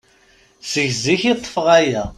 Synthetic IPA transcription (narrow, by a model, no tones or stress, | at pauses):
səʝziçit̪ˤːə̥fʁæjæ